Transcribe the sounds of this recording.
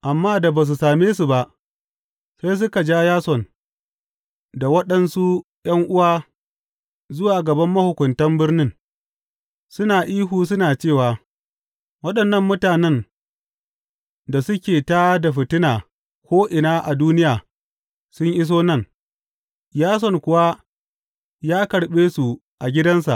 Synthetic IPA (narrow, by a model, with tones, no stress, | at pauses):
ʔa˨mːaː˦da˨baː˨s̬u˨saː˨meː˦su˨ba˦ʔ | sa˦js̬ʊ˦ka˨d͡ʒaː˦jaː˦sɔ˨n | da˨wɐ˦ɗɐ˨nsu˦ | j̰ɐ˦ŋʔʊ˦waː˦ | zʊ˦waː˨ɡɐ˨bɐ˦mːɐ˦hʊ˨kʷʊ˨ntɐ˦mbɪ˦rnɪ˦ŋ | sʊ˦naː˨ʔiː˦ɦuː˨s̬ʊ˦naː˨t͡ʃeː˦˨waː˨ | wɐ˦ɗɐ˨nːɐ˦mːʊ˦taː˨nɛ˦n | da˨sʊ˦kʲeː˨taː˦da˨ɸɪ˨tɪ˦naː˨ | kʷoː˦ʔɪ˨naː˦ʔa˨duː˦nɪ˦jaː˨ | sʊ˦ɲʔɪ˦s̬oː˦nɐ˦˨ŋ | jaː˦s̬ɔ˨ŋkʷʊ˨wa˦ | jaː˦kɐ˨ɽɓeː˦su˨ | ʔa˨ɡʲɪ˦dɐ˦ns̬a̰˨ʔ